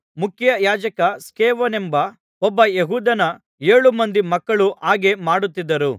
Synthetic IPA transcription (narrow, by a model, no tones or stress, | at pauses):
mukʰjɐjaːd͡ʒɐkɐskeːʋɐnembɐ | ɔbːɐjeɦuːd̪ɐnɐ | eːɭumɐnd̪imɐkːɐɭuʔaːɡe̞maːɽut̪ːid̪ːɐɾu